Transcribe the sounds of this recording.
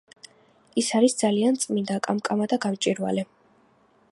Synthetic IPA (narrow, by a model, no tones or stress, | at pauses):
isaɾisd̪zaliant̪sʼmind̪akʼamkʼamad̪aɡamt͡ʃʼiɾwa̰lɛ